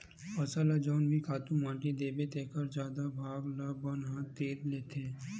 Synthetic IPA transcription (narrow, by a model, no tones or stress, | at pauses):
ɐsalad͡ʒɔːnbʱikʰaːt̪ũmmãːʈid̪eːbet̪eːkəɾd͡ʒjaːd̪abʱaːɡlabɐnɦãt̪eːɾleːt̪ẽ